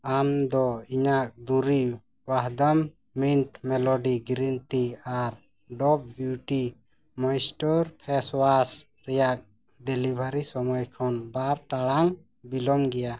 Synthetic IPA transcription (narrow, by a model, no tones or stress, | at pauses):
amd̪ɔiɲak̚d̪uɾi | waɦd̪amː | inʈmɛlɔɖiɡɾinʈiaɾ | ɖɔp̚bjuʈi | mɔjsʈɔɾpʰɛswas | ɾɛjak̚ | ɖɛlibʱaɾisɔmɔjkʰɔnbaɾʈaɽaŋ | bilɔmɡɛja